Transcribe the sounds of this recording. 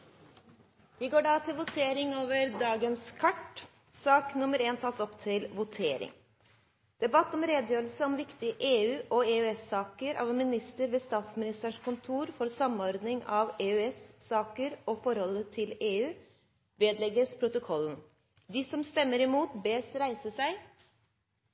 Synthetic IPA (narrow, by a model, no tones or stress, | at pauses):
ʋɪɡoːɖɑːt̪ʰɪlʋʊt̪ʰeːɾɪŋoːʋəɾd̪ɑːɡənskʰɑʈ | sɑːknʊməɾeːnt̪ʰɑːsɔpt̪ʰɪlʋʊt̪ʰeːɾɪ̰ŋ | d̪̥ɛbɑt̪ːɔmɾeːd̪əjøːɾlsəɔmʋɪkt̪ɪəʔeːʉːʔɔeːʉɛsɑːkəɾɑ̰ʋmɪnɪst̪əɾʋɛːst̪ɑːt̪smɪnɪst̪əɳkʊnt̪ʰuːɾfɔɾsɑmːɔɾd̪nɪŋɑʋeːœɛsːɑːkəɾɔfɔɾhɔlːət̪ʰɪleːʉː | ʋeːd̪lɛɡəspʰɾʊt̪ʊkʰɔlːən̩ | d̪ɪsɔmst̪ɛmːəɾɪmuːt̪beːsɾæɪsəsæɪ